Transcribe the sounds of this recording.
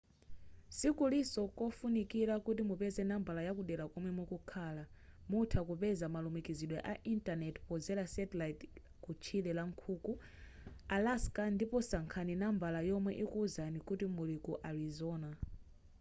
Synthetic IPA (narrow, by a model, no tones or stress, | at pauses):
sikulisɔkɔfunikiɾakut̬imupɛzɛnambalajakuɗɛlakɔmwɛmukukʰaːlamutʰakupɛzamalumikiziɗwɛʔaʔintanɛtpɔzɛlasɛtlait | kut͡ʃʰilɛlaŋkʰuːku | alaskandipɔsaŋkʰaninambalajɔmwɛʔikuzanikutimulikuʔaɾizɔːna